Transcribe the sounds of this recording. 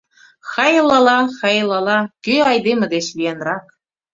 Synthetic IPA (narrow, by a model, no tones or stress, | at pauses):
xɑjlˠɑlˠɑxɑjlˠɑlˠɑkʲyɑjd̪emɘ̆d̪eɕvʲijenrɑk